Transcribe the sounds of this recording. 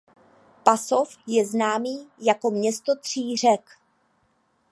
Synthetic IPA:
paso̞fjɛznaːmiːjako̞mɲɛst̪o̞t̪r̝̥iːr̝ɛk

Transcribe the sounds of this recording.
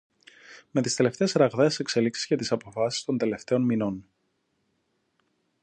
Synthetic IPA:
me̞t̪ist̪ele̞ft̪eːsɾɐɣðeːse̞kse̞liksi̥z̥ʝɐt̪isɐpo̞fɐsi̥st̪o̞nd̪e̞left̪e̞o̞nmino̞n

